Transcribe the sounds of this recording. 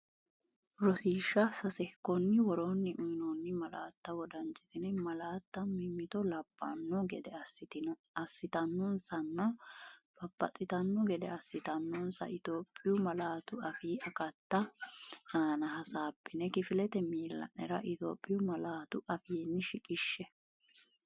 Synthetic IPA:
ɾɔsiːʃːɐsɐsɛkːɔnːɪwɔɾoːnːɪʔʊɪnɔnːɪmɐlaːt̪ːɐwɔd̪ɐnt͡ʃʼːɪ̥t̪ɪnɛmɐlaːt̪ːɐmɪmːɪt̪ɔlɐb̥ːɐ̰nːɔɡɛd̪ɛɐsːɪt̪ɪn | ɐsːɪt̪ɐnːɔnsɐnːɐb̥ɐpːɐ̰t̪ʼːɪt̪ɐnːɔɡɛd̪ɛɐsːɪt̪ɐnːɔnsɐ̰ɪt̪oːpʼːɪjʊmɐlaːt̪ʊɐfiːʔɐkɐt̪ːɐ | aːnɐɦɐsaːpːɪnɛkɪfɪlɛt̪ɛmiːlːɐ̰nːɛɾɐʔɪt̪o̰ːpʼːɪjʊmɐlaːt̪ʊɐfiːnːɪʃɪkʼɪʃːɛ

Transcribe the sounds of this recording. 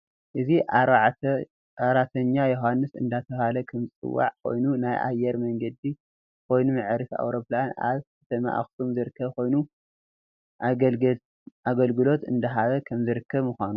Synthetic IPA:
ʔɨziʔaaʕt̪ɐ | aɾat̪ʰɐɲːajoɦanːɨsɨ̰nd̪at̪ʰɐβhalɐkʰɐmɨt͡sʼɨ̰wːa̰ʕkʰo̞̰jnunajʔa̰jːɛɾmɐŋɡɐd̪i | kʰo̞jnumɨʕɾɨsa̰wɾo̞plana̰βɨt̪ʰɐmɐ̰ʔa̰xsumzɨɾɨkʰːɐβko̞jnu | a | ʔaɡɐlɡɨlo̞t̪ɨ̰nd̪ɐɦaβɐkʰɐmzɨɾɨkʰːɐβmuxʷanu

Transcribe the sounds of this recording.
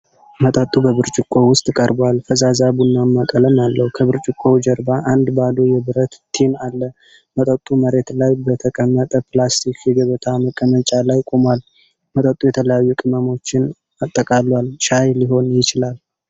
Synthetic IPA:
mət̪ʼət̪ʼːubəβɨɾt͡ʃʼɪkʼːo̞wʊst̪ʼkʼəɾbwalfəzazabunːamːakʼələmjalːəhukʰəβɨɾt͡ʃʼɪkʼːo̞d͡ʒəɾbaʔand̪bad̪o̞jɛbɨɾət̪t̪ʰenalːə | mət̪ʼət̪ʼːuməɾe̞t̪lajbət̪ʰəkʼəmːət̪ʼəpʰlast̪ʰikʰjɛɡəβət̪ʰaməkʼːəmət͡ʃʼalajkʼomal | mət̪ʼət̪ʼujɛt̪ʰələjajːukʼɨməmo̞t͡ʃːɪn | at̪ʼːəkʼalːwalʃajliɦo̞njɪt͡ʃɪlal

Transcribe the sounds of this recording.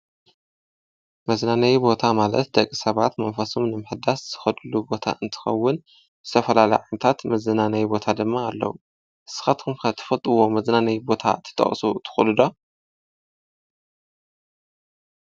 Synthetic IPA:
mɐznanɐjbo̞t̪ʰamalɐ̰t̪̚d̪ɐkʼːisɐβat̪mɐnfɐsomnɨmɨħɨd̪asz̥ɨ̥xɐd̪ɨlubo̞t̪ʰa̰ʔɨnt̪ʰɨ̥xɐ̰wːʊn | zɨt̪ʰɐfɐlalɐ̰jʕamnt̪ʰat̪mɐzɨnanɐjbo̞t̪ʰad̪ɨmːaːlːɐ̰wu | ʔɨ̥sɨ̥xat̪kʰɨmkɐt̪ʰːɨ̥fɐt̪ʼɨwo̞mɐznanɐjbo̞t̪ʰa̰t̪ʰɨ̥t̪ʰʼɐ̰χʼsut̪ʰɨ̥xulɨd̪o

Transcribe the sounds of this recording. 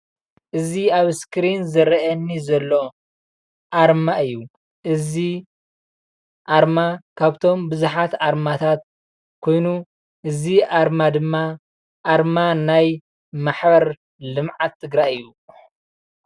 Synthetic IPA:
ʔɨziaβskɾinzɨɾɐʔɐnːizɐlːo̞ | ʔaɾmaɨjːu | ʔɨzi | ʔaɾmakʰaβt̪ʰo̞mbɨzuħat̪ʔaɾmat̪ʰat̪̚ | kʰo̞jnu | ʔɨziʔaɾmad̪ɨmːa | ʔaɾmanaj | maħbɐɾ | lɨmʕat̪ʰːɨɡɾajɨjːu

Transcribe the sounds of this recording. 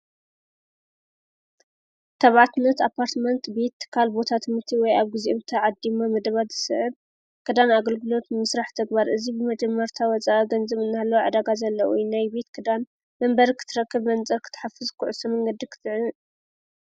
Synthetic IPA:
t̪ʰɐβʕat̪ɨnːɐt̪apʰːaɾt̪mɐnt̪be̞t̪ːɨ̥kʰːalbo̞t̪ʰat̪ʰɨmɨt̪ʰiwɔjaβɡɨzʔɨβt̪ʰaʕad̪imamɐd̪ɐβat̪z̥ɨsɨʕɨβ | kʰɐd̪anaɡɐlɡɨlo̞t̪mɨsɾaħt̪ʰɐɡbaɾʔɨzibɨmɐd͡ʒɐmːɐɾt̪ʰawɔt͡sʼaʔɨɡɐnzɨβɨnːalːɐwʕa̰d̪aɡazɐlːɐʔujnajbe̞t̪kʰɨd̪an | mɐmbɐɾikʰɨ̥t̪ʰɨɾɐkːɨβmɐnt͡sʼɐɾkʰɨ̥t̪ʰɨ̥ħafːɨzkʰuʕusɐmɐŋɡɐd̪ikʰɨ̥t̪ʰʕɨn

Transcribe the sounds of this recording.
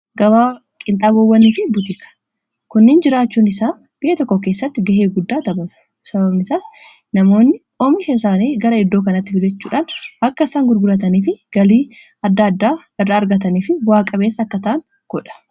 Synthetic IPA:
ɡɐwaː | kʼɪnt̪ʼaːbowːɐniːfɪbʊt̪ɪkɐ̥ | kʊnːɪnd͡ʒɪɾaːt͡ʃːuːnɪsaː | b̥ɪʔɛt̪ɔkːɔkeːsːɐt̪ːɪɡɐɦeːɡʊd̪ːaːt̪ɐbɐt̪ʊ̥ | sɐbɐbnɪsaːs | nɐmo̞ːnːɪ | oːmɪʃɐɪsaːniːɡɐɾɐɪd̪ːoːkɐnɐt̪ːɪfɪd͡ʒɛt͡ʃːuːᶑaːnɐkːɐɪsaːŋɡʊɾɡʊlɐt̪̬ɐniːfɪɡ̥ɐliː | ɐd̪ːɐd̪ːaː | ɪrːɐːɾɡɐt̪ɐniːfɪbʊaːkʼɐbe̞ːsːɐːkːɐt̪ɐʔɐŋ | ɡ̥ɔᶑɐ̥

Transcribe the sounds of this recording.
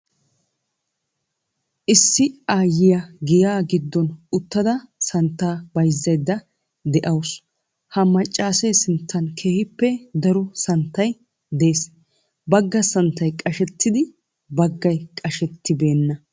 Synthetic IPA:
ʔɪsːɪaːjɪjɐɡɪjaːɡɪd̪ːɔnʊt̪ːɐd̪ɐsɐnt̪ːaːbɐjzːɐjd̪ːɐ | d̪ɛʔɐws | hɐmɐt͡ʃʼːaːseːsɪnt̪ːɐnkʰe̞ːhɪpːɛd̪ɐɾɔsɐnt̪ːɐj | d̪e̞ːs | bɐɡːɐsɐnt̪ːɐjkʼɐʃɛt̪ʰːɪd̪ɪ | bɐɡːɐjkʼɐʃɛt̪ːɪbe̞ːnːɐ

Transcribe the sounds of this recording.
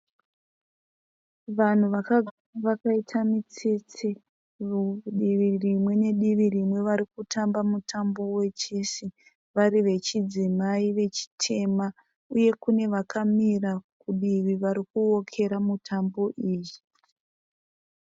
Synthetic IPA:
ʋan̤uʋakaɡʱaraʋakaitʰamit͡sit͡si | ɗiʋirimwe̞ne̞ɗiʋirimwe̞ʋaɾikutambamutʰambo̞we̞t͡ʃesi | ʋaɾiʋe̞t͡ʃid͡zimaiʋe̞t͡ʃi̥tʰe̞ma | uje̞kune̞ʋakamirakuɗiʋiʋaɾikuo̞kʰe̞ɾamutʰambo̞ʔiːji

